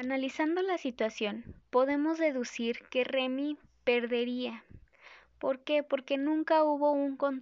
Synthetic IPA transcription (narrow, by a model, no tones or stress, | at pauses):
analisand̪o̞lasit̪wasjo̞npo̞ðe̞mo̞zðe̞ðusiɾke̞re̞mi | pe̞ɾðe̞ɾia | po̞ɾke̞po̞ɾke̞nũŋkauβo̞uŋko̞n